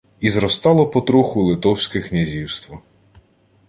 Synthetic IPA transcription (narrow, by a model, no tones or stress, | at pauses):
izɾɔst̪ɑlˠɔpɔt̪ɾuxʊlˠɪt̪ɔwsʲkɪknʲɐzʲiwst̪ʋɔ